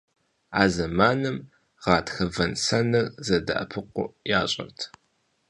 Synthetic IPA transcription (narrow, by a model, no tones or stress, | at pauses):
aːzɐmaːnɨm | ʁɑːtxɐvɐnsɐnɐrzɐdɐ̰ʔɐ̰pʰɨqʷʊ̰jaːɕʼɐ̰rtʰ